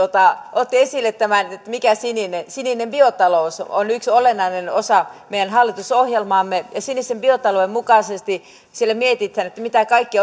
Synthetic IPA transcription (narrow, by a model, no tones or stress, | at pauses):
ot̪ɑʔot̪ːiesilːet̪t̪æmænet̪ːæmikæsininensininemb̥iot̪ɑlouso̰nyksolenːɑinenosɑmeijænhɑlːit̪usohjelmɑːmːejɑsinisemb̥iot̪ɑloemmukɑsest̪i | sielːæmiet̪it̪hænet̪ːæmit̪ækɑikːi